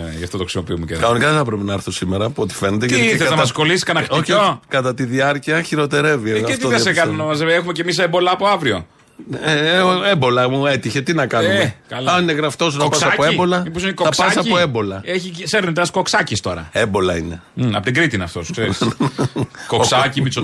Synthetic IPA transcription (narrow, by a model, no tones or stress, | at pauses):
ʝɐft̪ot̪oxɾisimopiumecekɐnonikɐθɐpɾepinɐɾθusimeɾɐpo̞t̪i̥fe̞net̪ek̪ɐeɐnɐɐɐskolisiskɐnɐxtoçiokɐt̪ɐt̪iðiɐɾciɐçiɾo̞t̪e̞ɾe̞vieɣɐeft̪ioðɐsekɐnunomɐzevexumecemis̬embo̞lɐːpoɐvɾio̞ | ebo̞lɐmue̞t̪içe̞t̪inɐkɐnukɐlɐnineɣɾɐft̪o̞s̬unɐpɐsɐpoebo̞lɐmipos̬inkoɐkspɐssɐpoebo̞lɐeçiseɾnit̪eɐsko̞ksɐcist̪o̞ɾɐ̰embo̞lɐine̞ | ɐpot̪iɡɾit̪inɐft̪osu̥kseɾisn | koksɐcimiso